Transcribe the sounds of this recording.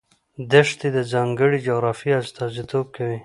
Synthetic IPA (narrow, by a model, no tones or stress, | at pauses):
d̪əʂt̪id̪əzɑːŋɡəɽid͡ʒoɣɾɑfiast̪ɑzit̪ob̚kawi